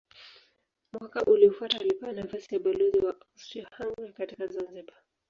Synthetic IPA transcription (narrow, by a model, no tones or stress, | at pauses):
mwakaʔuliɔfwataalipɛwanafasijaɓalɔziwaʔasiɔhaŋɡakatikazanziɓa